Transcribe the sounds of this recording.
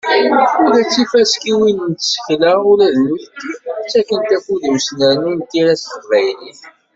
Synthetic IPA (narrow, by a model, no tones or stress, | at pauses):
uɾæt͡sːifæskiwinnt̪sə̥çləʊɾæðult̪ːit͡sːækːənt̪ækːuðiwsnəɾnint̪iɾæstəvæjniθ